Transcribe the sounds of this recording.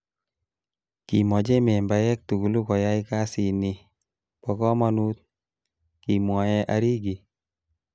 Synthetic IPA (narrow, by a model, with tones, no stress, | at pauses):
ki˨mɔ˨d͡ʒe˦mɛ˨mba˨jɛ˦k̚tu˨ku˨lu˦kɔ˨ja˦ika˦si˨ni | pɔkɔ˦ma˦nu˦t̪̚ | ki˨mwa˨jɛ˦ʔaɾi˦ɡi˨